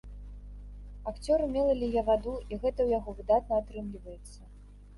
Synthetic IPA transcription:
akt͡sʲɔɾɨmʲɛlˠɐlʲijɛvad̪uiɣɛt̪ɐwjaɣɔvɨd̪at̪̚nɐat̪ɾɨmlʲivɐjɛt̪sːɐ

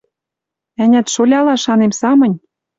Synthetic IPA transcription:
ænʲæt̪ʃolʲɑlɑʃɑnemsɑmɤ̆nʲ

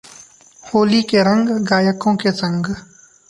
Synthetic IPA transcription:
hoːliːkeɾə̃ŋɡɡaːjəkõkesə̃ŋɡ

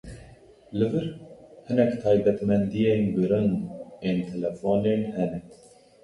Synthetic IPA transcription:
lɨvɨɾhɨnɛkt̪ʰɑːjb̪ɛt̪mɛnd̪ijenɡiɾɨnent̪ʰɛlɛfoːnenhɛnɛ

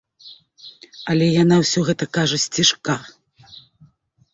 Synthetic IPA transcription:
ɐlʲɛjanawsʲɔɣɛt̪ɐkaʐɐsʲt͡sʲiʂka

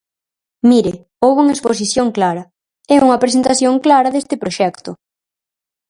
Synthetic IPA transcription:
miɾɪ | owβuŋɐespos̬iθjoŋklaɾɐ | ɛuŋɐpɾesent̪aθjoŋklaɾɐðest̪ɪpɾoʃɛkt̪ʊ

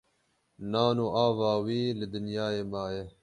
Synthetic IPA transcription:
naːnoːʔaːvaːwiːlɨd̪ɪnjaːeːmaːje

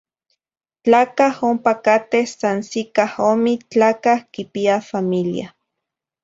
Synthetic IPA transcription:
t͡ɬaːkahompakat̪ehsansikahomit͡ɬaːkahkipiafamilja̰

